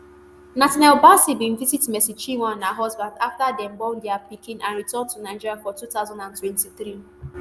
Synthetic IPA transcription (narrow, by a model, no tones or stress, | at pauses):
natinɛlbasibĩm̩vizitmɛsit͡ʃiwãnːaɦɔzbãndaftadɛm̩bɔ̃ndɛapikɪ̃nʔãnɾitɔ̃ntunaɪd͡ʒiɾjafɔtutaʊzãndãntwɛ̃ntiθɾi